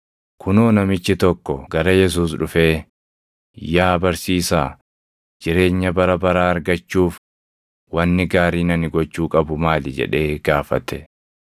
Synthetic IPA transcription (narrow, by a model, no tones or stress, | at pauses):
kʰʊnoːnɐmɪt͡ʃːɪt̪ɔkːɔɡɐɾɐjɛs̬uːs̬ᶑʊfe̞ː | jaːbɐɾsiːsa̰ː | d͡ʒɪɾe̞ːɲːɐbɐɾɐbɐɾaːɐɾɡɐt͡ʃːuːf | wɐnːɪɡaːɾiːnɐnɪɡɔt͡ʃːuːkʼɐbʊmaːlɪd͡ʒɛ̰ᶑe̞ːɡ̥aːfɐ̰t̪ɛ